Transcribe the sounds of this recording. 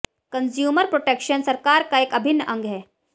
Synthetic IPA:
kɐ̃nzjuːməɾpɾoʈekʃənsɐɾkaːɾkaeːkɐbʱɪnːəʔɐ̃ŋɡɦɛː

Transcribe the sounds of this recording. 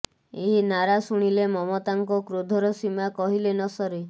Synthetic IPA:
eɦinaɾasuɽ̃ilemɔmɔt̪aŋkɔkɾod̪ʱɔɾɔsimakɔɦilenɔsɔɾi

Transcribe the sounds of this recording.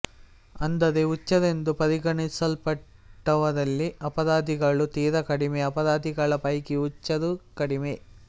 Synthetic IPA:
ɐnd̪ɐdeut͡ʃːɐd̪e̞nd̪upɐɾiɡɐɳisɐlpɐʈː | ɐʋɐd̪ɐlːiɐpɐd̪aːd̪iɡɐɭut̪iːɾɐkɐɽimeɐpɐd̪aːd̪iɡɐɭɐpɐjkiut͡ʃːɐd̪ukɐɽime

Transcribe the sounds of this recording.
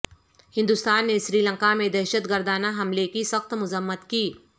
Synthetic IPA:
hɪ̃nd̪ʊst̪aːnːeʃɾiːlə̃ŋkamẽd̪ɛːʃət̪ɡəɾd̪aːnaɦɐmlekisəxt̪mʊzəmːət̪kiː

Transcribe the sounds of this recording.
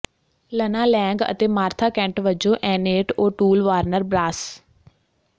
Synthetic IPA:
lənãːlɛ̃ːŋɡə̰t̪eːmaːɾt̪ʰaːkɛ̃ːɳʈʋəd͡ʒõːʔɛ̃ːneːʈoːʈuːlʋaːɾnəɾbɾaːs

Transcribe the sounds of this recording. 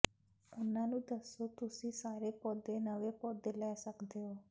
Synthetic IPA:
onanũd̪əsut̪usĩsaɾepɔd̪enəʋepɔd̪elɛsəkd̪eo

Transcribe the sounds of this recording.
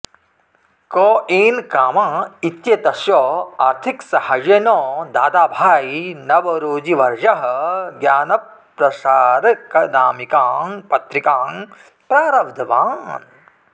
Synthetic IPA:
koːʔeːnkaːmãːit̪jɐt̪ɐʃjoːaːɾt̪ʰiksɐhɐjenoːd̪aːd̪aːbʱaːinɐʋɐɾoːd͡ʒiʋɐɾʒɐɦɐ̆ɡjaːnɐp | ɾɐsaːɾkɐnaːmikaːŋpɐt̪ɾikaːŋ | pɾaːɾɐʋd̪ʱɐʋaːn

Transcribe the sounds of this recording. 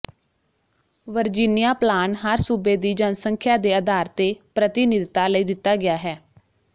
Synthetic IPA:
ʋəɾd͡ʒiːnɪjaːplaːnɦəɾsuːbeːd̪iːd͡ʒənsəŋkʰjaːd̪eːəd̪ʱaːɾt̪eːpɾət̪ɪnɪd̪t̪aːləiːd̪ɪt̪ːaːɡɪjaːɦɛː

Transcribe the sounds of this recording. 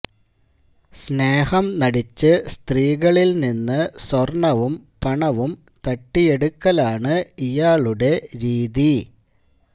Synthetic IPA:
sneːhɐmnɐɽit͡ɕːɨst̪riːɣɐɭilninːɨswɐrɳɐʋumpɐɳɐʋum | t̪ɐʈːijeɽukːɐlaːɳɨijaːɭuɽe̞ɾiːði

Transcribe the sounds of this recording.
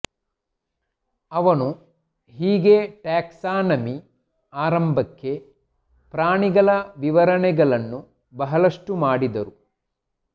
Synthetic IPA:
ɐʋɐnu | ɦiːɡeʈaːksaːnɐmi | aːɾɐmbʱɐkːe̞ | pɾaːɳiɡɐɭɐʋiʋɐɾɐɳɛɡɐɭɐnːu | bɐɦɐlɐʂʈumaːɽid̪ɐɾu

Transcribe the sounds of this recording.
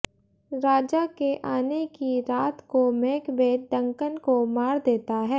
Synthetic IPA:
ɾaːd͡ʒakeʔaːnekiɾaːt̪komeːkbeːɖɐ̃ŋkənkomaːɾd̪eːt̪aɦɛː

